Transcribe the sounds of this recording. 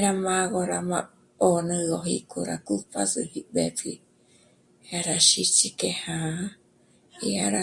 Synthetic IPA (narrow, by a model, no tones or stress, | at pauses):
ɾamãɣoɾama | onɨ̃ɣoɦikuɾa̰kupʰasɨhibepi | haɾaʃit͡ʃikehã | iaɾa